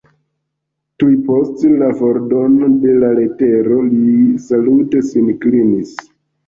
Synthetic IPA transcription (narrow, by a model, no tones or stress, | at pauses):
tujpo̞stlavo̞ɾdo̞node̞lale̞te̞ɾo̞lisalute̞sinklinis